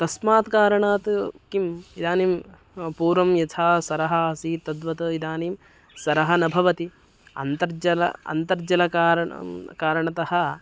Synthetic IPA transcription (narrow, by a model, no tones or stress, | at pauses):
t̪ɐsmaːt̪kaːɾɐɳaːt̪kimid̪aːniːm | puːɾʋɐmjɐt̪ʰaːsɐɾɐɦɐɐsiːt̪ɐd̪ʋɐt̪ɐid̪aːniːm | sɐɾɐɦɐnɐbʱɐʋɐt̪i | ɐ̰nt̪ɐɾd͡ʒɐlɐ̰ɐ̰nt̪ɐɾd͡ʒɐlɐkaːɾkaːɾɐɳɐt̪ɐhɐ̆